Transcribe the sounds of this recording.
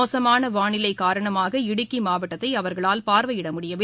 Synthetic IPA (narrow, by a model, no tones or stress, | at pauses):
oːsɐmaːnɐʋaːɳɪlɐɪkːaːɾɐɳɐmaːɣɐɪɽɯkːimaːʋɐʈːɐt̪ːɐɪɐʋɐɾɣɐɭaːlpaːɾʋɐjɪɽɐmʊɽɪjɐʋ